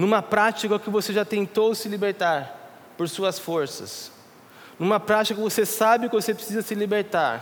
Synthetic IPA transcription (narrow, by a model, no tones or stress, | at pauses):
nũmɐpɾat͡ʃikɐkɪvoseʒat̪ẽnt̪owsɪlibeɾt̪aɾ | poɾsuɐsfoɾsɐ̰s | nũmɐpɾat͡ʃikɐkɪvosesabɪkvosepɾesizɐsɪlibeɾt̪aɾ